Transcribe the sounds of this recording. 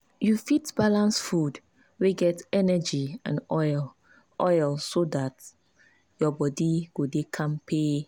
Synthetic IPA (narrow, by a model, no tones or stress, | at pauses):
jufitb̥alãnsfud | weɡɛtɛnɛd͡ʒiã̰nɔl | ʔɔjlsodat | jɔbɔdiɡ̥odekʰãmpʰe